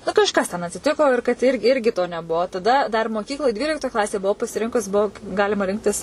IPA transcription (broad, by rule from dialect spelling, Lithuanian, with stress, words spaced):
nʊ kɐʃˈkɐs tʲɛn ɐtʲsʲɪˈtʲɪkoː ɪr kɐt ɪr ˈɪrʲɡʲɪ toː nʲɛˈbuɔ tɐˈdɐ dɐr moːˈkʲiːklˠoːj ˈdʲʋʲiːlʲɪktoːj ˈklˠɑːsʲeːj bʊˈʋɐʊ pɐsʲɪˈrʲɪŋkʊs ˈbuɔ ˈɡɑːlʲɪmɐ ˈrʲɪŋktʲɪs